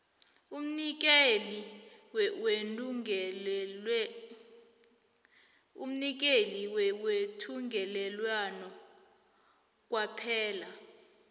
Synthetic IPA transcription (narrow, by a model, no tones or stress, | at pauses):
um̩nik̬ɛli | wenuŋɛ | ṵm̩nik̬eliwɛwetʰuŋɡʱɛlɛlwanɔ | k̬ʼwapʰɛːla